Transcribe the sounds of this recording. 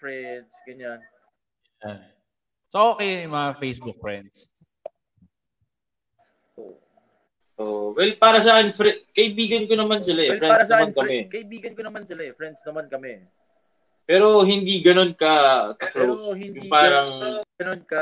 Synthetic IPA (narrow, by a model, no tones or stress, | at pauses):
fɹɛnsɡɐɲan | ja | sɐʔoːkɛjmɐŋafejsbʊk̚fɹɛnd̪s | ʔo̰ːʔ | ʔoʔwɛlpaːɾɐsaːkɪnfɾɛkɐʔɪbiːɡɐnkonɐmansɪlaʔɛfɾɛaɾɐsaɐkɐmɛkɐʔɪbiːɡɐnkonɐmansɪlaɛfɾɛnd̪snɐmankɐmɛ | pɛːɾo̞ɦɪnd̪iːɡɐno̞nkɐkɐklosɪnjʊŋpaːɾɐŋɡɐnonkɐ